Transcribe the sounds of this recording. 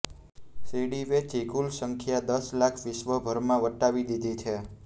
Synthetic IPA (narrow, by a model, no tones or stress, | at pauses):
siɽiʋet͡ʃikulsəŋkʰjad̪əslakʰʋɪʃʋəbʱəɾmãʋəʈːaʋid̪id̪ʱit͡ʃʰe